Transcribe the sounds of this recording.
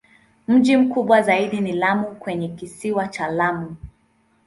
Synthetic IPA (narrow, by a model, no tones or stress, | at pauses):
m̩ʄim̩kuɓwazaiɗinilamukwɛɲɛkisiwat͡ʃalamu